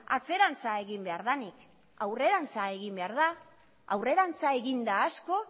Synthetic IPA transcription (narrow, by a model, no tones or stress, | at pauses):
a̰t͡se̞ɾant͡saeɣimbe̞aɾðanik | awre̞ɾant͡sae̞ɣimbe̞aɾð̞a | awre̞ɾant͡sae̞ɣind̪aːsko̞